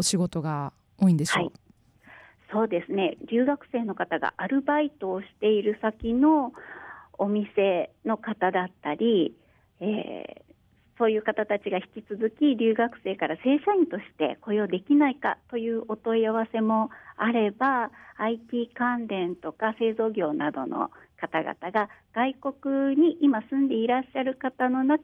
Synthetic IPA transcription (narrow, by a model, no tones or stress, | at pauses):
oɕiɡo̞t̪o̞ɡa | oːĩnd̪eɕhoai | so̞ːd̪e̞sɨne̞ɾʲɨːɡakɯ̟̥se̞ːno̞kat̪aɡa̰ʔaɾɯ̟bait̪o̞ːɕi̥t̪e̞iɾɯ̟sakʲino̞ː | mʲise̞no̞kat̪ad̪at̪ːaɾʲi | ḛː | so̞ːjɯ̟ːkat̪at̪at͡ɕiɡaçi̥kʲit͡sɨzɨkʲiɾʲɨːɡakɯ̟̥se̞ːkaɾase̞ːɕaĩnt̪o̞ɕi̥t̪e̞̰ko̞jo̞ːd̪e̞kʲinaika̰t̪o̞jɯ̟ːʔo̞t̪o̞iaβ̞ase̞mo̞aɾe̞baːit̪ʲiːkãnd̪ẽ̞nt̪o̞kase̞ːzo̞ːɡʲo̞ːnad̪o̞̰no̞̰kat̪aɡa̰t̪aɡaɡ̥aiko̞kɯ̟ɲ̟iʔimasɨ̃nd̪e̞iɾaɕːaɾɯ̟kat̪ano̞nak